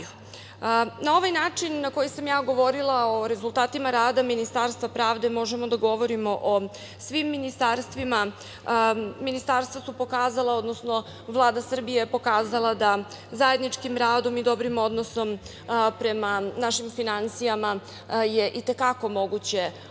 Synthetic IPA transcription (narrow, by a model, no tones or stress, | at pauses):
nao̞ʋajnaːt͡ʂinːako̞jisamjaːɡo̞ʋo̞ɾilˠaoɾe̞zulˠt̪aːt̪imaɾaːd̪aminist̪aɾst̪ʋapɾaːʋd̪e̞mo̞ʒemo̞d̪aɡo̞ʋo̞ɾimo̞ʔo | sʋimːinist̪aɾst̪ʋima | minist̪aɾst̪ʋasupo̞kaːzalˠao̞d̪no̞sno̞ | vlˠaːd̪asr̩bije̞po̞kaːzalˠad̪a | zaje̞d̪nit͡ʂkimɾaːd̪o̞mid̪o̞bɾimo̞d̪noso̞m | pɾe̞manaʃimfinansijama | je̞ʔit̪e̞kako̞mo̞ɡut͡ɕe̞